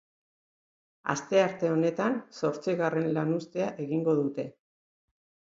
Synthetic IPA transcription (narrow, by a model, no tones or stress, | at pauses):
a̰st̪e̞aɾt̪e̞o̞ne̞t̪anso̞ɾt͡siɣare̞nlanust̪e̞aʔe̞ɣiŋɡo̞ðut̪e̞